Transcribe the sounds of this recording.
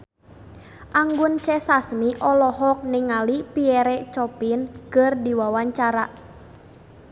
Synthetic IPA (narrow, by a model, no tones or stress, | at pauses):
ʔaŋɡʊnt͡ʃɛsasmiʔɔlɔɦɔk̚niŋalipiɛɾɛt͡ʃɔpinkərdiwawaɲt͡ʃaɾaʔ